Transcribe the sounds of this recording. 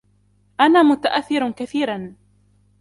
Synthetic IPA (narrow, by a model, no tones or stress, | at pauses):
ʔanaːmʊt̪aʔaθːɪɾkaθiːɾan